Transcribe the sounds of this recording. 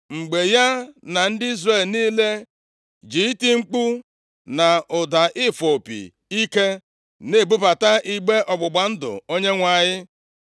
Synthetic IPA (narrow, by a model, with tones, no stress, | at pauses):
ŋ͡m̩˨ɡ͡be˨ja˦na˨n̩˦dɪ˦i˦zre˨lniː˦le˦ | d͡ʒi˨˦ti˦ŋ͡m̩˦k͡pu˦ | na˨ʊ˨da˨ʔɪ˦fo˨pḭ˨ | i˦ke˦ | ne˦˨bu˦pa˨ta˦ʔi˦ɡ͡be˦ʔɔ˨ɡ͡bʊ˨ɡ͡ba˨n̩˦dʊ̰˨o˦ɲe˦ŋʷa˨ɲɪ˦